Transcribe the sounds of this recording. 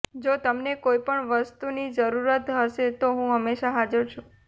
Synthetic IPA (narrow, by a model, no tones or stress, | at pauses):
d͡ʒot̪əmnekoipəɳʋəst̪unid͡ʒəɾuɾət̪ɦəʃet̪oɦũɦəmːeʃaɦad͡ʒəɾt͡ʃʰũ